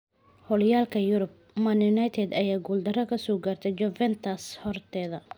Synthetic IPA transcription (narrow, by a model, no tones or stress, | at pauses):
hɔljaːlkʰɐjʊɾʊb̚ | mɐnjʊnajt̪ʰɛd̪ɐjaːɡuːld̪ɐrɐkʰɐsɔːɡaːrt̪ʰɛd͡ʒɔvɛnt̪ʰɐshɔrt̪ʰɛːðɐ